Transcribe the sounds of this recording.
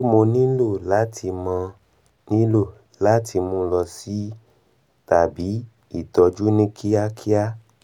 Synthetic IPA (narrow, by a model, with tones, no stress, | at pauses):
mo˧nĩ˦lo˦˨la˨˦tʰi˧mã˧ | nĩ˦lo˦˨ | la˨˦tʰi˧mõ˧lɔ˧si˨˦ | ta˨bi˨˦ | i˦˨tɔ˨˧d͡ʒu˦nĩ˦kʰi˦a˦kʰi˦a˦